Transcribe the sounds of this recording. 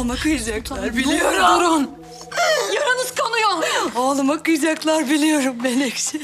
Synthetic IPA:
makɯɯzaklˠaɾbiijoɾɾun | jaɾanɯz̥kʰanujoolˠmakɯzaklˠaɾbilʲijo̞ɾumbɛnɛksɪ

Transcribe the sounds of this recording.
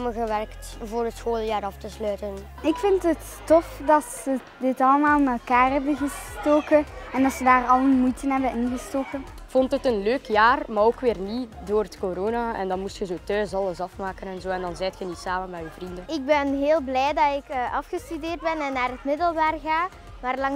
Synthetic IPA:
məɣəʋɛrkt | voːɾətsxoːlˠjaːɾɑftəslœːtən | ɪkfɪntət | tɔfdɑtsə | dɪtɑləmaːlˠnaɛlˠkaːrɦɛbənɣəstoːkəɛndɑtsədaːrɑlənmujtənɦɛbənɪnɣəstoːkən | fɔntətənløːkjaːrmaːɾoːkʋɪːrnidoːrətkoɾoːnaɛ̰ndɑnmustxəzoːtœːsɑləzɑfmaːkənɛnzoːɛndɑnzɛjtxənisaːmənmɛyːvrindənɪɡ̚bɛnɦeːlˠblɛjdɑtɪkəːʔɑfxəstydeːrd̚bɛnɛnːaːɾɦətmɪdəlˠbaːrɣaː | maːrlɑŋ

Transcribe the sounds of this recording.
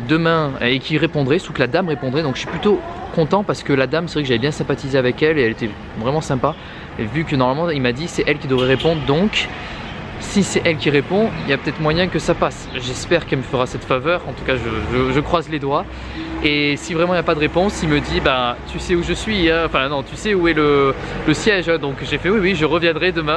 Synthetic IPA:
d̪əmɛ̃ekʰʲiʁepɔ̃d̪ʁɛsukəlad̪amʁepɔ̃d̪ʁɛd̪ɔ̃kəʃiplyt̪okɔ̃t̪ɑ̃paʁsə̥kəlad̪amsəvʁɛkəʒalɛbjɛ̃sɛ̃pat̪izeavɛkɛleɛlet̪ɛ | vʁɛmɑ̃sɛ̃pa | evykənɔʁmalmɑ̃ilmad̪isɛʔɛlkʲid̪əvʁɛʁepɔ̃d̪ʁəd̪ɔ̃k | sisɛʔɛlkʲiʁepɔ̃iljapø̥t̪ɛt̪χmwajɛ̃kəsapas | ʒɛspɛʁkɛlməfəʁasɛt̪favœʁɑ̃t̪u̥kaʒəʒəʒəkχwazled̪wa | esivʁɛmɑ̃iljapad̪əʁepɔ̃silməd̪ibat̪ysɛuʒəsɥiɛ̃ɑ̃fɛ̃nɔ̃t̪ysɛuɛlələsjɛʒd̪ɔ̃kʒefɛwiwiʒəʁəvjɛ̃d̪ʁɛd̪əmɛ̃

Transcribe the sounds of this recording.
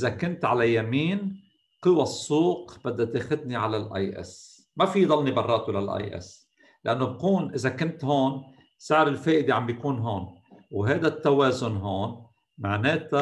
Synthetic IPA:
ʔɪzakʊnt̪ʕalajamiːn | qɨwasˤːuːqb̥ɪd̪ːat̪eːxʊd̪̚niʕalalʔa̰jʔɛ̰s | mafijd̪ˤɑlnibɑrˤːɑːt̪ulalʔa̰jʔɛ̰s | lɪʔanːob̚kuːnʔɪzakʊnt̪hoːn | sɪʕɾɪlfeːʔɪd̪eʕambjakuːnɦoːnwɦajːd̪at̪ːaweːzʊnɦoːn | maʕneːt̪a

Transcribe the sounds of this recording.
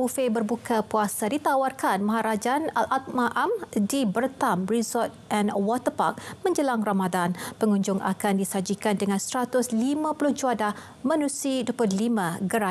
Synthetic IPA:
ufebərbukʰapuasadit̪awarkanmaɦaɾad͡ʒanalʔat̪̚mãʔamdibərt̪amrisɔt̪̚ʔɛnwɔt̪ərpa̰k̚mə̃ɲd͡ʒəlaŋramadanpəŋũɲd͡ʒʊŋa̰kandisad͡ʒikandəŋãnsɾat̪ʊslimãpulʊhd͡ʒuadah | mə̃nũsiduəpʊlimãɡəɾa

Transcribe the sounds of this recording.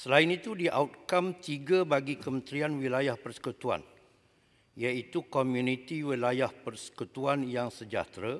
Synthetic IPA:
səlaɪnit̪udiʔa̰ut̪̚kamt̪iɡabaɡikəmə̃nt̪ɾianwilajahpərsə̥kut̪ua̰n | ijait̪ukomjũnĩt̪iwilajahpərsə̥kut̪uanjaŋsəd͡ʒa̰t̪ɾa

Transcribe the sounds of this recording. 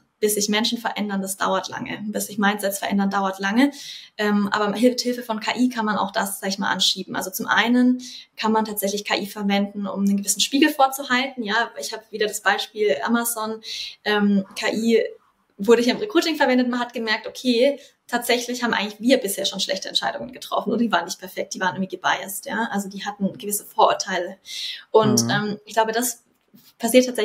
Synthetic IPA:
b̥ɪsz̥ɪçmɛnʃn̩fɛɐʔɛndɐndasd̥a̰ʊɐtla̰ŋə̰b̥ɪsz̥ɪçmaɪnzɛfstfɛɐʔɛ̰ndɐndaʊɐtlaŋəʔɛːmʔa̰ːbɐhɪlfthɪlfəfɔnkʰaːʔiːkʰanmana̰ʊxd̥aszaːɡɪçma̰ːlʔa̰nʃiːbm̩ʔa̰lzot͡sʊmʔa̰ɪnənkʰanmantʰaːtz̥ɛçlɪçkʰa̰ːʔiːfɛɐvɛndn̩ʔʊ̰mnənɡəvɪsn̩ʃpiːɡl̩foːɐt͡suhaltn̩jaːɪçhaːbəviːdɐdasb̥aɪʃpiːlʔa̰mazɔnʔɛːmkʰaːʔiː | vʊɐɾəçaːɪmʁekʁ̥uːtɪŋfɛɐvɛndətmanhatɡ̥əmɛɐk̚tʔokʰeː | tʰaːtz̥ɛçlɪçhaːbmʔaɪɡŋlɪçv̥iːɐbɪsheːɐʃoːnʃlɛ̰çtəɛnt͡ʃʃaɪdʊŋənɡətʁ̥ɔ̰fn̩ʔoːdɐdivaːʁənɪçt̚pʰɛɐfɛk̚t̚d̥iːvaːʁənɪɐŋviːɡəba̰ɪə̰stjaːʔalzodiːhatn̩ɡəvɪsəfoːɐʔʊ̰ɐtʰaɪləʔʊntʔɛːmɪçɡ̥l̥aʊbəd̥as | pʰasiɐtʰːaːtz̥ɛ

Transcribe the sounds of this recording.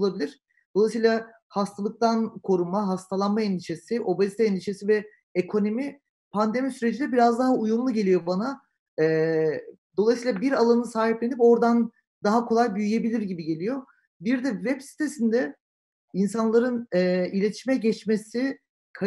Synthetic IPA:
olˠabilʲiɾ̥ | d̪olˠajsiːlˠa | hast̪ʰalˠɯk̚t̪ʰankʰo̞ɾumaɦast̪ʰalˠanmaɛnd̪iʃe̞siʔo̞bazit̪ʰaɛnd̪iʃe̞sivɛ | ekʰo̞nomi | pʰand̪e̞misyɾe̞d͡ʒind̪ʲɛbiɾazd̪aɦaujumlˠuɟe̞lʲijo̞bana | ɛː | d̪o̞lˠajsiːlˠabiɾalˠanɯsaːɦiplʲenipo̞ɾd̪an | d̪aɦakʰo̞lˠajbyjyje̞bilʲiɾɟibiɟe̞lʲijo̞ | biɾd̪ɛvɛbsi̥t̪ʰe̞sind̪ɛ | insanlˠaɾɯnɛilʲe̞t̪ʰiʃmɛɟɛt͡ʃmesi | kʰa

